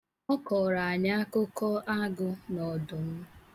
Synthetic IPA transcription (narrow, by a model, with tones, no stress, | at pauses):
ɔ˦kɔ˨ɾa˨a˨ɲa˦a˦kʊ˦kɔ˦ʔa˦ɡʊ˦nɔ˨dʊ˨m̩˦